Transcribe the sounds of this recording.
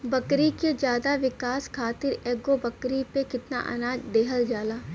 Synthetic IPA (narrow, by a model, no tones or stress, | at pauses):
bɐkɾiked͡ʒjaːd̪aʋɪkaːskʰaːt̪ɪɾɛːɡobɐkɾipekɪt̪na̰ʔɐ̰naːd͡ʒd̪eːɦəld͡ʒaːlaː